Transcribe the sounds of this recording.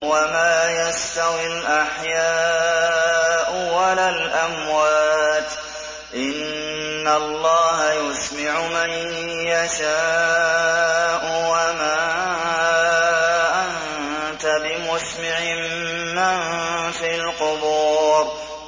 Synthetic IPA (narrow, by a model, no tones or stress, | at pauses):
wamaːjast̪awɪlʔaħjaː | ʔʊwalaːlʔamwaːt̪ | ʔɪnː | alˤːɑːɦajʊsmaʕʊman | jaʃaː | ʔʊwamaː | ʔan | t̪abɪmʊsmɪʕɪmː | anfilqʊbuːɾ